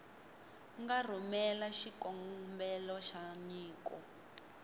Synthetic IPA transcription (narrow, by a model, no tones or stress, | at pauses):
ŋɡar̤ɔmɛlaʃikɔŋmbɛlɔʃaɲiːkɔ